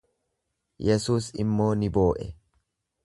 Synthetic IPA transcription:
jɛsuːsɪmːo̞ːnɪbo̞ːʔɛ

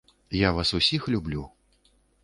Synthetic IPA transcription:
javasusʲixlʲublʲu

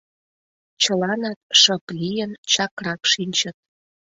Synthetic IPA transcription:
t͡ɕəlɑnɑt̪̚ʃɤplijənt͡ɕɑkrɑkʃinʲt͡ɕə̆t̪̚

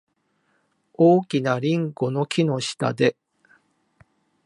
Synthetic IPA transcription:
oːkʲinaɾʲĩŋɡo̞no̞kʲino̞ɕi̥t̪a̰d̪e̞

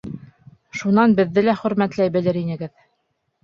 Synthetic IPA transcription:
ʃunɑnbɘ̆ðːɘlæχɵ̆ɾmæt̪læjbɘ̆lɘɾinɘ̆ɡɘð

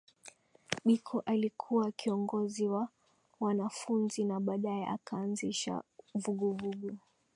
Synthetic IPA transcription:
ɓikʰɔʔalikʰuwakiɔŋɡɔziwa | wanafunzinaɓaːɗaɛ̰ʔa̰kaːnziʃa̰vuɡuvuɡu

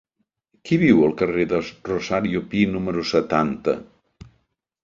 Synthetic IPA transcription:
kiβiwəlˠkəreðəruzaɾiupinuməɾusət̪ant̪ə̰

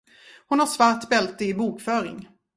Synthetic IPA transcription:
hʊnhaʂvaʈbɛlt̪ɪɪbuːkfœːɾɪ̰ŋ

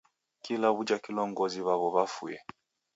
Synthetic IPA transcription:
kilaβud͡ʒakilɔŋɡɔziβaβɔβafṵjɛ

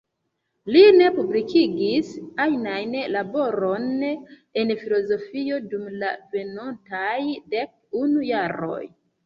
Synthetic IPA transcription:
line̞publikʰiɡisajnajnlabo̞ɾo̞n | e̞nfilo̞zo̞fio̞dumla̰ve̞nontajde̞k̚unujaɾo̞̰j

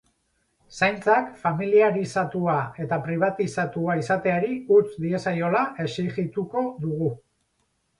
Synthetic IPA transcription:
sajnt͡sakfamiliaɾisat̪uae̞t̪apɾiβ̞at̪isat̪uaisat̪e̞aɾiut͡sd̪ie̞sajo̞laʔe̞siɣit̪uko̞ðuɣu

